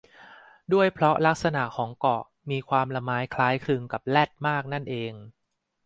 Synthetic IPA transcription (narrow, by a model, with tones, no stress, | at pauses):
du˥˩əjpʰɾɔ˦˥la˦˥k̚sa˧na˨˩ʔkʰɔː˩˦ŋkɔ˨˩ʔ | miː˧kʰwaː˧mla˧maː˦˥jkʰlaː˦˥jkʰɾɯ˧ŋka˨˩p̚lɛ˥˩t̪̚maː˥˩k̚na˥˩nʔeː˧ŋ